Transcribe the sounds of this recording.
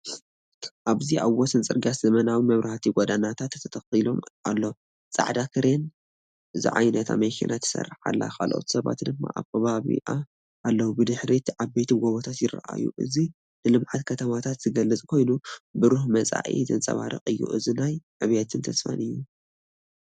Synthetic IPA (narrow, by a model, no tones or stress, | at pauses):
ʔaβziʔawːɔsɨnt͡sʼɨ̰ɾɡaszɐmɐnawimɐβɾɐhat̪ʰiɡɔd̪anat̪ʰat̪t̪ːʰɐt̪ʰɐxilo̞mʔalːo̞ | t͡sʼa̰ʕd̪akʰɨɾen | ʔɨzḭʕa̰jnɐt̪ʰa̰mɐkʰḭnʔat̪ʰːɐ̥sɐ̰rːɨħa̰lːa̰kʰa̰lʔo̰t̪ʰi̥sɐβa̰t̪d̪ɨmːa̰ʔa̰βkʰɐβaβḭʔa | ʔalːɐwubɨd̪ɨħɾit̪ʰiʕaβbet̪ʰiɡoβot̪ʰat̪jɪra̰ʔa̰jṵʔɨ̰zi | nɨlɨmʕat̪kʰɐt̪ʰɐmat̪ʰat̪z̥ɨɡɐlːɨt͡sʼkʰo̞jnubɨɾuhmɐt͡sʼa̰ʔḭzɨnt͡sʼɐ̰βa̰ɾɨ̰χʼɨjːṵʔɨzinajʕɨβet̪ʰɨnt̪ʰɐsfa̰nɨjːu